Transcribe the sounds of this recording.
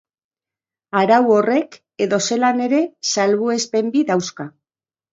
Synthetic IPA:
aɾawo̞re̞k | e̞ðo̞se̞lane̞ɾe̞salβue̞spe̞mbiðawska

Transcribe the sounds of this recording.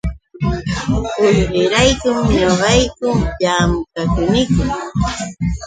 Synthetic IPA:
ʊjɢɪɾajkʊmɲoɢɑjkʊmjaːmʊkakʊnɪkʊm

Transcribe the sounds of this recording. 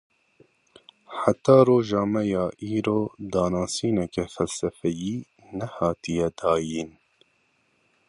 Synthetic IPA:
ħat̪ɑːroːʒɑːmɛjɑːʔiːɾoːd̪ɑːnɑːsiːnɛkɛfɛlsɛfɛjiː | nɛhɑːt̪ijɛd̪ɑːjiːn

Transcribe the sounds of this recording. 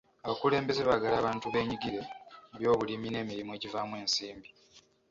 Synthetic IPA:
aβakule̞ːmbe̞ze̞βaɡalaːβaːntuβe̞ːɲiɡiɾe̞βjo̞ːβulimine̞ːmiɾimue̞civaːmwe̞ːnsiːmbi

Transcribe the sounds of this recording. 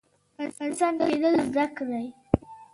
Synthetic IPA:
ɑnɑnɪst̪ɑnd̪əled̪əlzd̪akd̪aj

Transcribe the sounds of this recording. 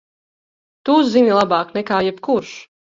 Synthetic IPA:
t̪uzzinʲilˠabaːknɛkaːjɛbkuɾʃ

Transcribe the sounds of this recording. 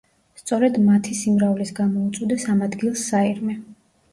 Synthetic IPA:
st̪sʼɔɾɛd̪mat̪ʰisimɾavlisɡamɔut̪sʼwid̪ɛsamad̪ɡilˠsːaiɾmɛ

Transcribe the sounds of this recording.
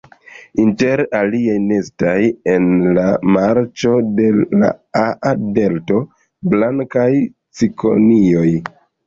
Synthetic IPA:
inte̞ɾaliajne̞staje̞nlamaɾt͡ʃo̞de̞la̰aade̞lto̞ | blaŋkaj | t͡sikʰo̞̰nio̞j

